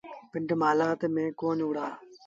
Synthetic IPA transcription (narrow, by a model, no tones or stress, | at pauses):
pɪɳʈmaːlaːt̪emẽːkoːnuːɽaː